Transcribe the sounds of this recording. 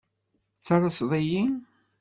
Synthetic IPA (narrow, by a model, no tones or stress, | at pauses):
t͡sːɑɾˤəsðˤiji